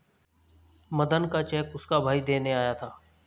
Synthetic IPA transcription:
məd̪ənkat͡ʃɛːkʊskabʱaːid̪eːneaːjaːt̪ʰaː

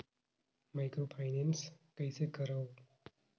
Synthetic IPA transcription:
maɪkɾopʰajnenskəjsekəɾaw

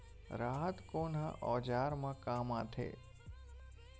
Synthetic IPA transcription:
ɾaːɦət̪konã̰ʔɔːd͡ʒaːɾmãkaːmãt̪ʰḛ

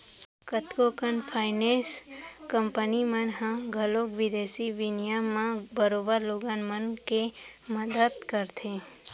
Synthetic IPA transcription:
kət̪kokənfʰainẽskəmpənimənɦãɡʱəlokʋid̪esiʋinjamãbəɾobəɾloɡanmənkeməd̪əd̪kəɾt̪ʰe

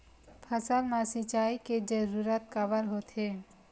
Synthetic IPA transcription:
pʰəsalmãsit͡ʃaiked͡ʒəɾuɾat̪̚kabəɾɦot̪ʰe

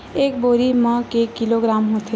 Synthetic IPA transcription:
eːkboɾimə̃kekiloɡɾaːmɦot̪ʰe

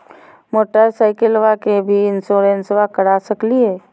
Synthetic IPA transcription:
moːʈəɾsaːɪkəlʋakebʱiɪnsoːɾensʋakəɽaːsəkliɦɛː

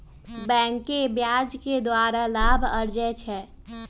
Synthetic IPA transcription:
bɛ̃ːŋkebjaːd͡ʒked̪waːɾalaːbʱəɾd͡ʒɛt͡ʃʰɛː

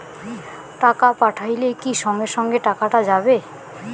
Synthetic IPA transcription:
ʈakapaʈʰajlekiʃɔŋɡeʃɔŋɡeʈakaʈad͡ʑabe

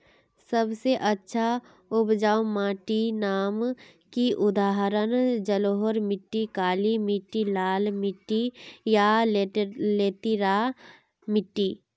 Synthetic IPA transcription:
səbseʔətːʃʰa | ʊpd͡ʒaːumãːʈinaːmkiʔʊd̪aːɦɾənd͡ʒəloːɦəɾmɪʈːikaːlimɪʈːilaːlmɪʈːija | leːt̪iɾa | mɪʈːi

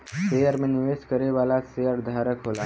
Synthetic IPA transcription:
sejəɾmẽnɪʋeːʃkəɾeʋaːlasejəɾd̪ʱaːɾəkɦoːla

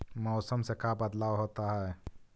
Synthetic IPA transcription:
mɔʊsəmsekabəd̪lawɦot̪aɦɛe

